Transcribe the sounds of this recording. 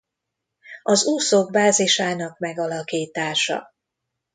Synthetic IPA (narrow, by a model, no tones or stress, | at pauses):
ɒzuːsoɡ̚baːziʃaːnɒkmɛɡɒlɒkiːt̪aːʃɒ̰